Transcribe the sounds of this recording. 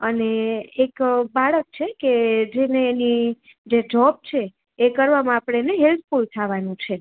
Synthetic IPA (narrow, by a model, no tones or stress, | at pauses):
əneːkbaɭək̚t͡ʃʰeked͡ʒeneːni | d͡ʒed͡ʒɔb̚t͡ʃʰeː | kəɾʋamãapɽ̃eneɦelt̪̚ʰfult̪ʰaʋanũt͡ʃʰe